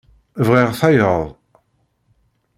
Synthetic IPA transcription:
vʁiʁθæjəðˤ

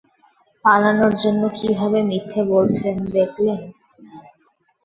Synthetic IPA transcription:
palanoɾd͡ʑonːokibʱabemit̪ʰːebolt͡ɕʰilend̪ekʰlen

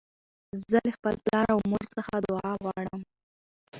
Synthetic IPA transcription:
zəlexpəlplɑɾawmoɾt͡səxad̪ʊɑɣwɑɽəm

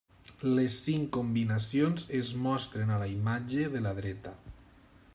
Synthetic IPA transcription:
lesːiŋkombinasionzezmɔst̪ɾenalaimad͡ʒeðelaðɾɛt̪a

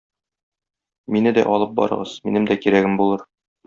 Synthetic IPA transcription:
minɘd̪æ̰ʔɒlˠɤp̚bɒ̰ɾɤ̰̆ʁɤz̥minɘmd̪ækiɾæɡɘmbulˠɤɾ

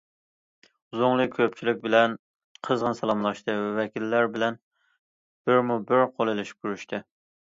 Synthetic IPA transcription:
zʊŋlˠɨkʲʰøp̚t͡ʃʰilɪk̚ʲbɪlɛn | qʰəzʁənsɑlˠɑmlˠɑʃt̪ʰɨvɛvɛkʲilːæɾbɪlɛn | b̥ɪɾmubɪɾqʰolˠelɪʃi̥p̚kʲʰyɾyʃt̪ʰɨ

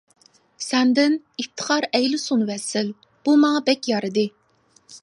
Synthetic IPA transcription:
sɛnd̪ɪn | ift̪ʰːə̥χʰɑɾɛjlɪsunwɛsɪl | b̥umɑŋɑbɛkʲjɑɾɨd̪ɨ

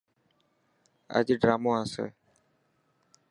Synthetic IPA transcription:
ə̰d͡ʒɖɾaːmoːãːsḛː

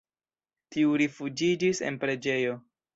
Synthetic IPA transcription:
tiuɾifud͡ʒid͡ʒisḛnpɾe̞d͡ʒe̞jo̞

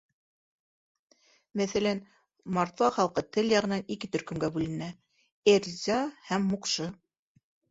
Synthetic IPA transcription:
mæθælæn | mɑɾt̪vɑχɑlˠqɤt̪ɘljɑʁɤ̆nɑnikɘt̪ɵ̆ɾkɵ̆mɡæbʉlɘ̆næ | eɾzʲɑhæmːuqʃɤ

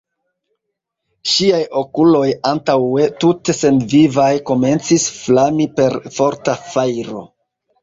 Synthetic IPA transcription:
ʃiajo̞kulo̞jantawe̞tute̞se̞nvivajkome̞nt͡sisflamipe̞ɾfo̞ɾtafajɾo̞̰

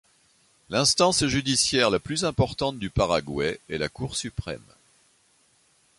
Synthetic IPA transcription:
lɛ̃st̪ɑ̃sʒyd̪isjɛʁlaplyzɛ̃pɔʁt̪ɑ̃t̪̚d̪ypaʁaɡwɛɛlakuʁsypχɛ̰m

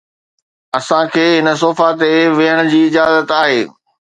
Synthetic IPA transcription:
ɐsãkʰeːɦɪnəs̬oːfat̪eʋɪɦəɽ̃ʊ̆d͡ʑiːɪd͡ʑaːzət̪aːɦeː

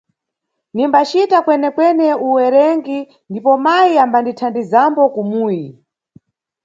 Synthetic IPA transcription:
nimbat͡ʃitakwɛnɛkwɛnɛuwɛɾɛŋɡi | ndipɔmajiambanditʰandizambɔkumuːji

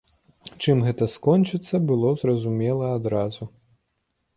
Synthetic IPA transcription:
t͡ʂɨmɣɛt̪ɐskɔnʲt͡ʂɨt̪sːɐbɨlˠɔzɾɐzumʲɛlˠɐad̪ɾazu

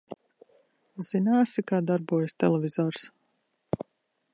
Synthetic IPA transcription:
z̥inaːsikaːd̪aɾbuɔjast̪ɛ̰lˠɛvʲizɔːɾs

